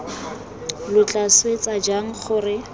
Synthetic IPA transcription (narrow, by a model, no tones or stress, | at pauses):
lʊt͡ɬʼaswet͡sad͡ʒaŋ̩χʊrɪ